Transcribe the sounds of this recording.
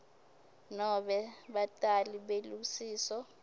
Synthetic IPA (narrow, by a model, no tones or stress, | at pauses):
nɔɓɛɓatʼaliɓelusiːsɔ